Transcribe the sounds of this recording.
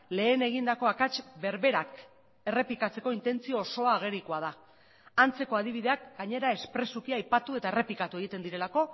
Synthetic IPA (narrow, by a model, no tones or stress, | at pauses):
le̞ːne̞ɣ̞ind̪ako̞akat͡ʃbe̞ɾβe̞ɾak | e̞re̞plikat͡se̞ko̞int̪e̞nt͡sio̞ːso̞aːɣ̞e̞ɾikoað̞a | ant͡se̞ko̞að̞iβ̞iðe̞ak̚ɡaɲe̞ɾae̞spɾe̞sukiajpat̪ue̞t̪aere̞plikat̪ue̞ɣ̞it̪e̞nd̪iɾe̞lako̞